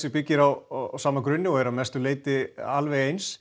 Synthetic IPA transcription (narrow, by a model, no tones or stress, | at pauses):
sɪpɪcːɪɾawsaːmakɾʏnːɪɔɛɾamɛst̪ʏleːjt̪ɪalvɛejns